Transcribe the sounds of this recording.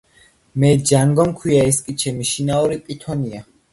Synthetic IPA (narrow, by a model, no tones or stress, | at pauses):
mɛd͡ʒaŋɡɔmkʰwiaɛskʼit͡ʃʰɛmiʃinaɔɾipʼit̪ʰɔnia